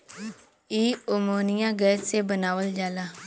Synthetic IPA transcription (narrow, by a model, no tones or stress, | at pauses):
iomonijãɡɛtsebənawəld͡ʒala